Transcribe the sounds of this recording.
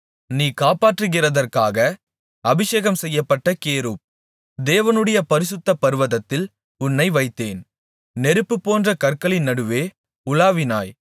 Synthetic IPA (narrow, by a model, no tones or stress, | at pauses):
niːkaːpaːʈrɯɣɪrɐðɐrkaːɣɐ | ɐbɪʂeːɣɐmsɛjːɐpːɐʈːɐkeːɾɯp̚ | d̪eːʋɐnɯɽɐjɐpɐɾɪsɯt̪ːɐpːɐɾɯʋɐðɐt̪ːɪl | ʊnːɐɪʋɐɪt̪ːeːn | nɛɾɯpːɯpːoːndrɐkɐrkɐɭɪnːɐɽɯʋeː | ʊlaːʋɪnaːj